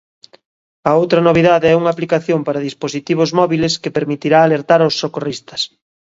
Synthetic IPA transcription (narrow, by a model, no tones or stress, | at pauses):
ɐowt̪ɾɐnoβiðaðeɛuŋaplikaθjompaɾɐðisposit̪iβ̞ozmɔβileskepeɾmit̪iɾaːleɾt̪aɾawsːokorist̪ɐ̥s